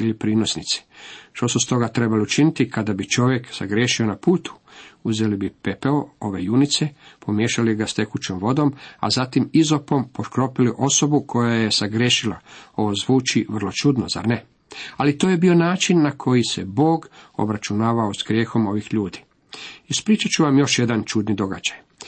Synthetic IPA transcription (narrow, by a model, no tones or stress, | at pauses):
ilipɾiːno̞snit̪si̥ʃt̪o̞sust̪o̞ɡat̪ɾe̞baliut͡ʃinit̪ikad̪abit͡ʃo̞ʋje̞ksaɡɾje̞ːʃio̞napuːt̪u̥uzelibipepeoo̞ʋe̞junit̪se̞pʰo̞mjeːʃaliɡast̪e̞kut͡ʃomʋo̞d̪o̞ma̰zat̪imizo̞po̞mpot̪kɾo̞piliʔo̞so̞bukʰo̞jaje̞saɡɾʲjeʃilao̞ʋozʋuːt͡ʃiʋr̩lo̞t͡ʃud̪no̰za̰ɾne | alit̪ojebio̞naːt͡ʃinːakʰo̞jise̞̰bo̞ːɡo̰bɾat͡ʃunaːʋaosɡɾjeːxo̞mo̞ʋixʎuːd̪i̥ | ispɾiːt͡ʃat͡ʃuʋamjo̞ʃjed̪ant͡ʃud̪nid̪o̞ɡa̰d͡ʒaj